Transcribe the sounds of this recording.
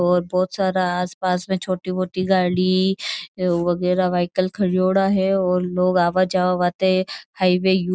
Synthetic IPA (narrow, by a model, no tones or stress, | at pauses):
ɔːɾbɔːt̪saːɾaaːspaːsmẽt͡ʃʰoːʈiboːʈiɡaːɽi | ʋɐɣɛːɾaʋaːɪkəlkʰɐɽijoːɽaɦɛɔːɾloːɡaːʋad͡ʒaːaʋaːt̪eɛhaːiʋeju